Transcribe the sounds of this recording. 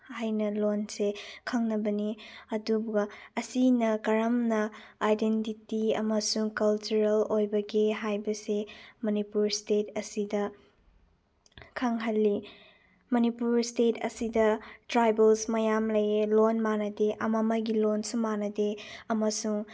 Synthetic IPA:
hajnɐlonsekʰɐŋnɐbɐniɐdubɡɐɐsinɐkɐɾɐmnɐajdentitiɐ̰mɐsuŋkɐlt͡ʃuɾɐlojbɐɡiɦajbɐsemɐnipuɾstetʰɐsidɐ | kʰaŋɦɐlːi | mɐnipuɾstetʰɐ̰sidɐtɾajbelsmɐjamlɐjelonmanɐdeʔɐmɐmɐjɡilonsumanɐdeɐmɐsuŋ

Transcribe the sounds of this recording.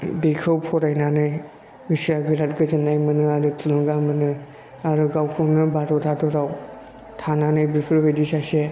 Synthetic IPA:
bikʰɯwpʰɔɾajnanɯj | bɯsiaɡiɾat̚ɡɯzinːajmɯnɯaɾɯtʰulɯŋɡamɯnɯ | aɾɯɡawkʰɯwnɯbaɾɔtʰatʰɔɾaw | tʰananajbiɾpʰɯɾbedisase

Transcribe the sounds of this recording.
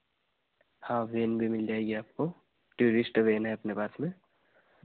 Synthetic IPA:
hãʋeːnbʱimɪld͡ʒaːeɡeaːp̚ko | ʈjuːɾɪsʈʋeːnaɦɛɐpnepaːsmẽ

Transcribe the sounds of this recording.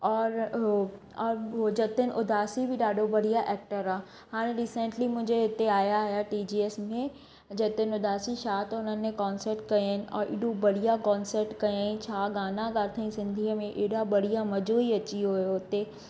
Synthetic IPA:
ɔːɾ | ɔːɾod͡ʑɐt̪ɪnɪʔʊd̪ʱaːsibɪɗaːɖʱobɐɽ̤ijaʔɛːk̚ʈəɾaː | haːɽ̃ẽɾiːsẽɳʈlimʊ̃ɦɪ̃ɲd͡ʑeɦɪt̪eaːjaɦjaʈiːd͡ʑiːeːsmẽ | d͡ʑɐt̪ənɪʊd̪ʱaːsiʃaːt̪ɦʊnənɪ̆mẽkɔːnsəɾʈkɐjnɪ̆ʔɔ̰ːɾʔɪ̰ɽũbɐɽ̤ijakɔ̃ːnsəɾʈkɐãt͡ɕʰaːɡaːnaɡaːɾt̪ʰəĩsɪ̃nd̪ʱiːəmẽʔeːɽabɐɽ̤ijamɐd͡ʑoːiɐt͡ɕiɦojoɪt̪e

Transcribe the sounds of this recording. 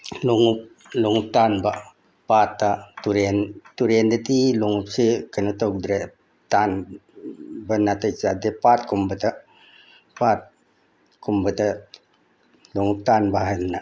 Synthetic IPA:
luŋup̚ | luŋup̚tanba | pat̪ːatuɾentuɾendət̪iluŋup̚sikənut̪ok̚dɾe | t̪an | bənat̪ət͡ʃad̪epat̪̚kumbət̪a | pat̪̚ | kumbət̪a | luŋup̚tanbaɦənna

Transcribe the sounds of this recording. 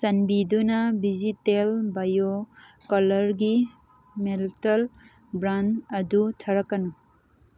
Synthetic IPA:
sɐnbid̪unabizit̪elbɐjo | kɐləɾɡi | meltɐl | bɾanɐd̪ut̪ʰɐɾɐkɐnu

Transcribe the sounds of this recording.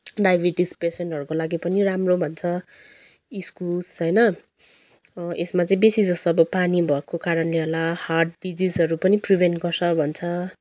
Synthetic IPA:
ɖajbʱiʈisperseɳʈɦʌɾukolaɡipʌniramrobʱʌnt͡sʰʌ | iskulsʌjnʌ | ʔesmat͡sʌ̃ĩbesid͡zʌst̪ʌʌbʌpanibʱʌekokaɾʌnleɦolaharʈɖid͡zizɦʌɾupʌnipribʱeɳʈɡʌrt͡sʰʌbʱʌnt͡sʰʌ

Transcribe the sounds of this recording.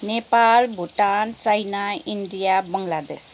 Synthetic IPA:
nepalbʱuʈant͡sajnainɖijabʌŋlad̪es

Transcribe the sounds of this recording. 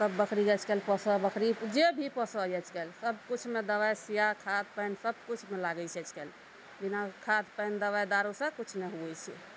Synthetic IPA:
səbːəkʰɾiɡɛt͡ʃʰkɛlpəsəbəkʰɾid͡ʒebʱipəsəɛt͡ʃʰkɛlsəbkut͡ʃʰmed̪əβajsijakʰad̪̚pəjnsəb̚kut͡ʃʰmelaɡɛt͡ʃʰɛt͡ʃʰkɛl | binakʰad̪pəjnd̪əβajd̪aɾusə̃kut͡ʃʰmeɦuɛt͡ʃʰḭ

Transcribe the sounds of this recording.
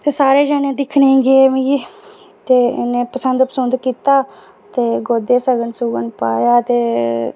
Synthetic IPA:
t̪eːsaːɾeːd͡ʒaːnẽːd̪ɪkʰnẽːɡeːmĩː | t̪eːneːpəsənd̪pəsənd̪kiːt̪aː | t̪eːɡoːd̪eːsəɡənsuɡənpa̰ːjaːt̪eː

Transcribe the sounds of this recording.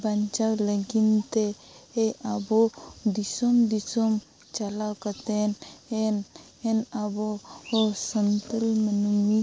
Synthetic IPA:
baɲt͡ʃawləɡint̪e | eʔabod̪isomd̪isom | t͡ʃalawkət̪enen | enaboː | sənt̪əlmənumi

